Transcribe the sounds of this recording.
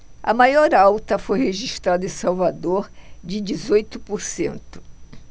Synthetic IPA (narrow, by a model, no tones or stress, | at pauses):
ɐ̰majɔɾawt̪ɐfojheʒiʃt̪ɾad̪ɐẽsawvad̪oɾd͡ʒɪd͡ʒizojt̪ʊpoɾsḛ̃nt̪ʊ̥